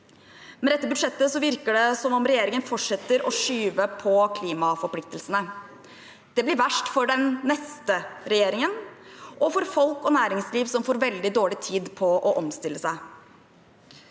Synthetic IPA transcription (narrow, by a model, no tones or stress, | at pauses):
mɛd̪ɛt̪ːəbʉd̪ʂɛt̪ːəsɔʋɪɾkəɖɛsɔmɔmɾɛjeːɾɪŋənfɔʈʂɛt̪ːəɾʔɔʂyːʋəpʰɔkʰliːmɑfɔɾpʰlɪk̚t̪əlsənə | d̪̥ɛblɪɾʋæʂʈfɔɖɛnːɛst̪əɾɛjeːɾɪŋənʔɔfɔɾfɔlkɔnæːɾɪŋsliːʋsɔmfoːɾʋɛld̪ɪd̪oːɭɪt̪ʰiːd̪pʰɔʔɔʔɔmst̪ɪlːəsæɪ